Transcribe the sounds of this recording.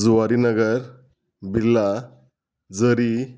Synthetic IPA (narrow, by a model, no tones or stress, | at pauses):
d͡zuʋaɾinəɡəɾ | bʱilːa | d͡zəɾi